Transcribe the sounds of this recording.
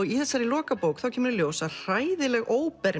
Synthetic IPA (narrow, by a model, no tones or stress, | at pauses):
ɣiθɛsːaɾɪlɔːkapoːwkθawcʰɛmʏɾɪljoːwsar̥aːjðɪlɛɣʔoːwpɛɾ